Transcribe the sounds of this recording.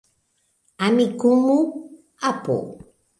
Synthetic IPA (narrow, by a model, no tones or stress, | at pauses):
amikumu | apṵ